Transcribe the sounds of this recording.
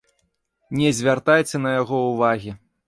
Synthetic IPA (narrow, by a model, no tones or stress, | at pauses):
nʲɛzʲvʲart̪ajt͡sʲɛnɐjaɣɔuvaɣʲi